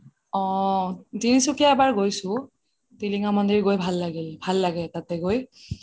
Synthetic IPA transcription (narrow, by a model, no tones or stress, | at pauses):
ɔ̃ | zinisukiaɛbaɹɡojsʊ̃ | tiliŋamɔndiɹɡojbʱalːaɡilbʱalːaɡɛtatɛɡoj